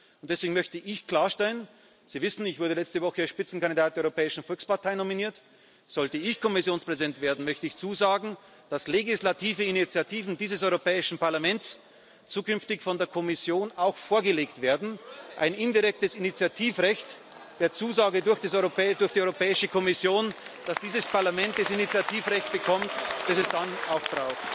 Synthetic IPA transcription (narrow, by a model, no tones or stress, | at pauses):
ʊnt̚d̥ɛsv̥eːɡŋ̩mœçtəʔɪçkl̥aːɐʃtɛlən | z̥iːvɪsn̩ɪçv̥ʊɐdəlɛt͡stəvɔxəasʃpɪt͡sn̩kandidaːt̚d̥eɐɔʏʁopʰɛːɪʃn̩fɔlkspaɐtʰaɪnominiːɐt | z̥ɔltəɪçkʰɔmɪsjoːnspʁ̥ɛzɪdɛntv̥eːɐdn̩mœçtəɪçt͡suːzaːɡŋ̩ | d̥asleɡislatʰiːvəinit͡sjatʰiːvn̩diːzəsɔʏʁopʰɛːɪʃn̩paɐlamɛnts | t͡suːkʏnftɪçfɔndeːɐkʰɔmɪsjoːnaʊxfoːɐɡəleːktv̥eːɐdn̩ʔaɪnɪndiʁɛk̚təsinit͡sjatʰiːfʁɛçt | d̥eːɐt͡suːzaːɡədʊɐxd̥esɔʏʁopɛːdʊɐxd̥iʔɔʏʁopɛːɪʃəkʰɔmɪsjoːnd̥asd̥iːzəspaɐlamɛnt̚d̥asinit͡sjatʰiːfʁɛçt̚b̥əkʰɔmtd̥asɛsd̥anaʊxb̥ʁaʊxt